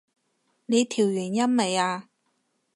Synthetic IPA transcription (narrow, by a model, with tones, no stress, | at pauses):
ne˨˧jt̪ʰiː˨˩wjyː˨˩njɐ˥nme˨jaː˧